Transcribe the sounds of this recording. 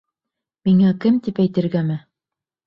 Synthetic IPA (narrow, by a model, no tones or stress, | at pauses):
miŋækɘmt̪ipæjt̪ɘ̆ɾɡæmɘ